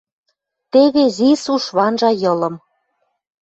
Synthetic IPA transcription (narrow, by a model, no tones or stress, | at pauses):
t̪eβezisuʃβɑnʒɑjɤ̆lɤ̆m